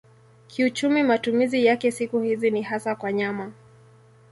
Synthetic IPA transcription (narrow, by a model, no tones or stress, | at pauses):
kʰiut͡ʃumimatumizijakɛsikuhizinihasakwaɲama